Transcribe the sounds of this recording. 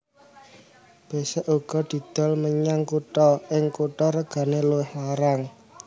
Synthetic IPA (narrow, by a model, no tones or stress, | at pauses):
b̥e̤sɛʔuɡ̥ɔ̤d̪̥i̤d̪̥ɔ̤lməɲaŋkuʈɔɪŋkuʈɔɾəɡ̥a̤neluɪhlaɾaŋ